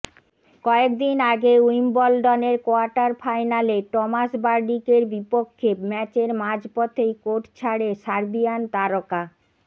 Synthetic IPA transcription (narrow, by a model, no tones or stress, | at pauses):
kɔekd̪inaɡeujmbɔlɖɔneɾkoaɾʈaɾfajnaleʈɔmasbaɾɖikeɾbipokʰːemɛt͡ɕeɾmad͡ʑpɔt̪ʰejkoʈt͡ɕʰaɽesaɾbijant̪aɾoka